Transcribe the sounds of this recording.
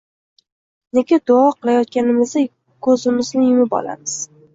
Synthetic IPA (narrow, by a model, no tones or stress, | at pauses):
nekʲɪd̪ʊɒqɨlˠajɒt̪̚kʲanɪmɪzd̪a | kʰɵzɪmɪznɪjɪmɪbɒ̰la̰mɪz̥